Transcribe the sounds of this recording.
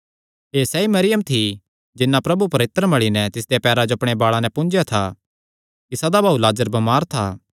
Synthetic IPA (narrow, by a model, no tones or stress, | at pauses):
eːsɛimɐɾɪjəmt̪ʰi | d͡ʒɪnːapɾɐbupɐɾeːt̪ːəɾmɐɭinɛt̪ɪsd̪ejapɛːɾad͡ʒoɐpɽ̃ebaːɭanɛpʊ̃nd͡ʒjat̪ʰa | t̪ɪsad̪abaːulaːd͡ʒəɾbɐmaːɾt̪ʰa̰ː